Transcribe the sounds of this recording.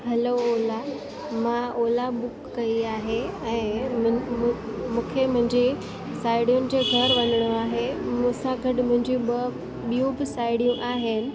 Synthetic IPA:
ɦɐloːla | mãoːlaɓʊkːɐiaːɦeɛ̃ː | mũːkʰemʊ̃ɦɪ̃ɲd͡ʑe | saːɪɽjunɪ̆d͡ʑeɡʱɐɾʋɐnəɽ̃oaːɦemũsãɡɐʈɪmʊ̃ɦɪ̃ɲd͡ʑiũ | ɓijũbɪsaːɪɽijũʔaːɦenɪ̆

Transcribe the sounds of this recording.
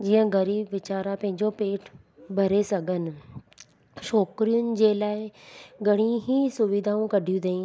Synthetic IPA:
d͡ʑiːə̃ɡɐɾiːbʋɪt͡ɕaːɾapɐ̃ɦɪ̃ɲd͡ʑopeːʈʰ | bʱɐɾesɐɡʱənɪ̆ | ʃɔːkɾijʊnɪ̆d͡ʑeːlaːɪɡʱɐɽ̤̃ĩɦisʊʋɪd̪ʱaːũkɐɖʱijũd̪eĩ

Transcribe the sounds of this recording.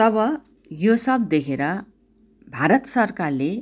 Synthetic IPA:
t̪ʌbʌ | josʌbd̪ekʰeɾʌ | bʱaɾʌt̪sʌrkarle

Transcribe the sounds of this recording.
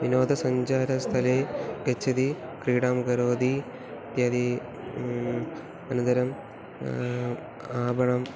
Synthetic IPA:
ʋinoːd̪ɐsɐɲd͡ʑaːɾɐst̪ʰɐleːʋɐt͡ɕːɐd̪ikɾiːɽaːmɡɐɾoːd̪i | t̪jaːd̪i | ɐnɐnd̪ɐɾɐm | aːbɐɳɐm

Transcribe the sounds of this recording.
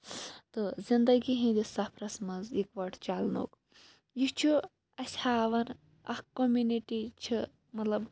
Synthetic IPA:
t̪ɨzind̪ɐɡiɦĩd̪isɐpʰɾɐsmɐzikʋɐʈʰt͡ʃalno̰ːk | jit͡ʃʰu | ɐsʲaːʋɐn | ɐ̰hkomʲuniʈit͡ʃʰi | mɐt̪lɐb

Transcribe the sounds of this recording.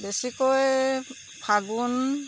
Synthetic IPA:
besikɔj | pʰaɡun

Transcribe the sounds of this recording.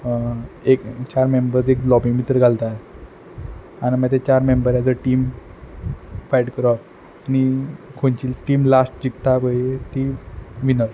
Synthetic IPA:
ekt͡ɕaɾmembəɾd͡zeklɔbiŋɡmit̪ɾəɡʱalt̪a | animət̪et͡ɕaɾmembəɾjad͡zəʈiːm | fajʈkəɾɔt̪ | anikʰont͡ɕiːlʈiːmlasʈ̚d͡ʑikt̪abəjet̪iʋinəɾ

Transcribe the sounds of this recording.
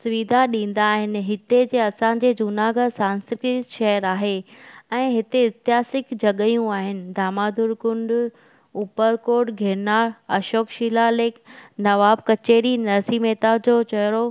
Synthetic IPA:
sʊʋid̪ʱaɗĩːn̆d̪aːɦɪnɪ̆ɦɪt̪ed͡ʑeːɐsãɲ̆d͡ʑeːd͡ʑʊnaːɡəd̪sãːnsɪkɾiʃɐɦəɾaːɦeɛ̃ːɦɪt̪eɪt̪ɪjaːsɪkd͡ʑɐɠəjũaːɦɪnɪ̆d̪ʱaːmaːd̪ʱʊɾkʊ̃ɳɖ | uːpəɾkoːɾʈɡʱeːɾnaːɾɐʃoːkʃiːlaleːknɐʋaːb̚kɐt͡ɕeːɽinɐsiːmeːt̪ad͡ʑoːt͡ɕɐjɾo

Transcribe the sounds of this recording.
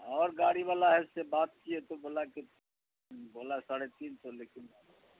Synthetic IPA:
ɔːɾɡaːɽiʋaːlaɦɛssebaːt̪̚kiet̪oboːlake | boːlaɛsaːɽet̪iːnsɔleːkɪn

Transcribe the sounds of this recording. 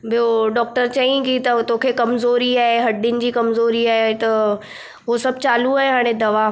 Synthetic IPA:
bʱijoɖɔːk̚ʈəɾt͡ɕɐĩɡit̪ɐt̪oːkʰekɐmzoːɾiaːɦeɦɐɖɪnɪ̆d͡ʑiːkɐmzoːɾiaːɦeet̪ɐ | ɦosɐb̚t͡ɕaːluaːɦeɦaːɽ̃ed̪ɐʋa

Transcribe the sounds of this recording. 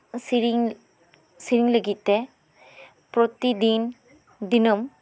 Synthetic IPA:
siɾi | siɾiŋlɐɡit̪ːe | pɾot̪id̪iːn | d̪inɐm

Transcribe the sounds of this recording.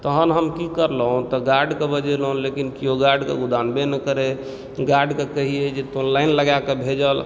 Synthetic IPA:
t̪əɦənɦəmkikəɾlɦũt̪ɔɡaɖkebəd͡ʒelɦũlekinkijoɡaɖkḛɡud̪anbenəkəɾe | ɡaɖkekəɦied͡ʒet̪onlaɪnləɡakebʱed͡ʒəl

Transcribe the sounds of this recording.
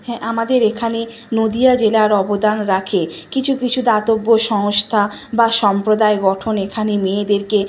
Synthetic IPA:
hɛ̃ʔamad̪eɾekʰane | nod̪ijad͡ʑelaɾɔbod̪anɾakʰekit͡ɕʰukit͡ɕʰud̪at̪obːoʃɔŋst̪ʰa | baʃɔmpɾod̪aeɡɔʈʰonekʰanemed̪eɾke

